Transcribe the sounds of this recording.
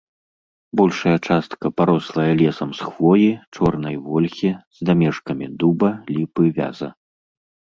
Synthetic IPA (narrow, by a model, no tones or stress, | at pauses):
bɔlʲʂɐjɐt͡ʂast̪kɐpaɾɔslˠɐjɐlʲɛsɐmsxvɔjit͡ʂɔrnɐjvɔlʲxʲiz̥d̪amʲɛʂkɐmʲid̪ubɐlʲipɨvʲa̰zɐ